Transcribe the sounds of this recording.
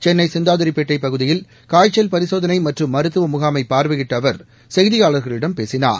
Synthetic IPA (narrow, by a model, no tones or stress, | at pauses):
t͡ʃɛnːɐɪsɪnd̪aːðɐɾɪpːeːʈːɐɪpːɐɣɯðɪjɪl | kaːjt͡ʃːɐlpɐɾɪsoːðɐnɐɪmɐʈrɯmːɐɾɯt̪ːɯʋɐmʊɣaːmɐɪpːaːɾʋɯɣɪʈːɐʋɐɾ | sɛjðɪjaːɭɐɾɣɐɭɪɽɐmpeːsɪna̰ː